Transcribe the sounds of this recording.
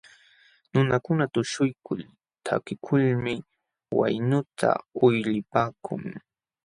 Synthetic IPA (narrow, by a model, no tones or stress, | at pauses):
nʊnakʊnat̪ʊʃʊjkʊ̰l | t̪ʰa̰kɪkʰʊlmɪ | wa̰jnʊt̪ʰa̰ʊjlɪpaːkʰʊ̰ŋ